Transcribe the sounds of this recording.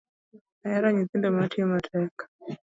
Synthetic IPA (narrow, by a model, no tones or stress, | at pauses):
ajaɾaɲit̪indamatimatʰɛkḁ